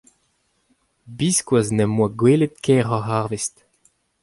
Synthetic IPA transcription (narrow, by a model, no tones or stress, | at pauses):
biskwaznɛmwaɡweːlet̪̚kʰɛʁɔɦaʁvest